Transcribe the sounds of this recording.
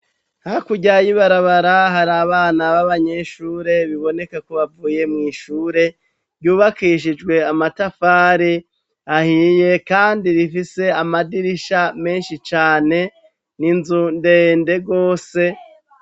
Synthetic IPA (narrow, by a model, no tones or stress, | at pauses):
hakuɟajiβaɾaβaɾaɦaɾaβaːnaβaβaɲe̞ʃuːɾe̞βiβo̞ne̞kakuβavuːje̞mŋiːʃuːɾe̞ | ɾjuːβakiʃ̬id͡ʒɡwe̞amatafaːɾi | ahije̞kaːndiɾifise̞amadiɾiʃame̞ːnʃit͡ʃaːne̞ | ninzunde̞nde̞ɡo̞ːse̞